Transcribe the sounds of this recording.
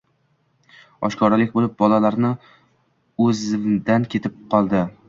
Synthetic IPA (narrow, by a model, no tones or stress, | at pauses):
ɒ̰ʃkʰɒɾalɪk̚ʲbolɪp̚bɒlalaɾnɪ | ɵzɪmd̪ankʲʰe̞t̪ʰɪp̚qʰɒlˠd̪ɪ